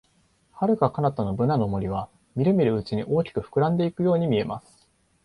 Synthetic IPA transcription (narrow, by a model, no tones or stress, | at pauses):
haɾɯ̟kakanat̪ano̞bɯ̟nano̞mo̞ɾʲiβ̞a | mʲiɾɯ̟mʲiɾɯ̟ːt͡ɕiɲ̟iʔo̞ːkʲi̥kɯ̟ɸɯ̥kɯ̟ɾãnd̪e̞ikɯ̟jo̞ːɲ̟imʲie̞ma̰sɨ̥